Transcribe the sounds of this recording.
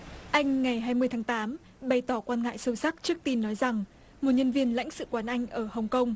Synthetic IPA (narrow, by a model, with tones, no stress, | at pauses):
ʔa˧jŋ̟ŋa˨˩jɦaː˧jmɨ˧əjt̪ʰaː˨˦ŋt̪aː˨˦m | ɓa˨˩jt̪ɔ˧˩kwaː˧nŋa̰ː˧˨jsə˧wsa˦˥k̚t͡ɕɨ˦˥ək̚t̪i˧nːɔ˨˦jza˨˩ŋ | mo˨˩t̚ɲə˧nvi˧ənla̰˧˥jŋ̟sɨ̰˧˨kwaː˨˦nʔa˧jŋ̟ʔəː˧˩hə˨˩wŋ͡mkə˧wŋ͡m